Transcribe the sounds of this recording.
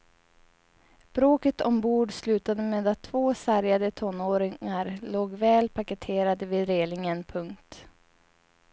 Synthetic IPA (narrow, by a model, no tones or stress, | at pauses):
b̥ɾoːkət̪ɔmbuːɖslʉ̟ːt̪ad̪əmeːd̪at̪ʰːv̥oːsæɾjad̪ət̪ʰɔnoːɾɪŋaɾloːɡvɛːlpʰakət̪ʰeːɾad̪əviːd̪ɾeːlɪŋənpʰɵŋkt̪